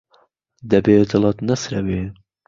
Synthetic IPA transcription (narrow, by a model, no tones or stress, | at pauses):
d̪ɐbeːd̪ɨlˠɑt̪nɐsɾɐweː